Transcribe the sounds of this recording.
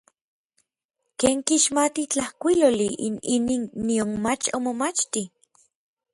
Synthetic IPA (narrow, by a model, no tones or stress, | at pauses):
keːŋkiʃmat̪it͡ɬahkʷiloːliʔḭniniːnːionmat͡ʃomomat͡ʃt̪i